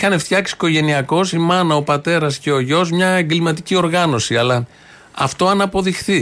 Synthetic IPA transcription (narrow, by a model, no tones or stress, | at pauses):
ixɐne̞ft̪çɐksi̥ko̞ʝe̞niɐko̞simɐnɐo̞pɐt̪e̞ɾɐsce̞o̞ʝo̞zmɲɐeŋɡlimɐt̪icio̞ɾɣɐno̞siɐlɐ | ɐft̪o̞ɐnɐpo̞ðixθi